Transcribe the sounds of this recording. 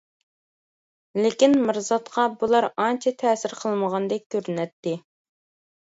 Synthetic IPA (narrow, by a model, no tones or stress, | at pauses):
lɪkʲinmɨɾzɑt̪qʰɑbulˠɑɾɑnt͡ʃʰɛt̪ʰɛːsɪɾqʰəlˠməʁɑnd̪ɛk̚ʲkʲʰːøɾnɛt̪ːɪ